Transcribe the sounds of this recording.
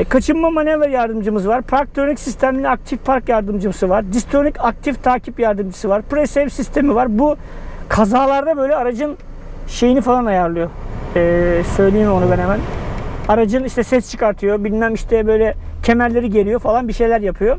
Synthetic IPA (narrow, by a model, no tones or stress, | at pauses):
kʰat͡ʃʰɯnmamanʲevɛɾjaɾd̪ɯmd͡ʒɯmɯzɯvaɾpʰɾaɾk̚t̪ʰɾonʲycsist̪ʰæmiiak̚t̪ʰifpʰaɾkjaɾd̪ɯmd͡ʒɯmɯsɯvaɾd̪ist̪ʰonycak̚t̪ʰift̪ʰaːcʰipjaɾd̪ɯmd͡ʒɯsɯvaɾpɾesevsist̪ʰe̞mivaɾbu | kʰazaːlˠaɾd̪abø̞jlʲɛaɾad͡ʒɯn | ʃe̞jinifalˠanajaɾlˠɯjo̞ɛːsø̞jlʲejimo̞nubenemænaɾad͡ʒɯniʃt̪ʰɛsɛst͡ʃʰɯ̥kʰaɾt̪ʰɯjo̞bilʲnæmiʃt̪ʰɛbø̞jlʲɛt̪ʰe̞mæɾlʲe̞ɾiɟe̞ɾijo̞falˠanbiʃe̞jlʲæɾjapʰɯjo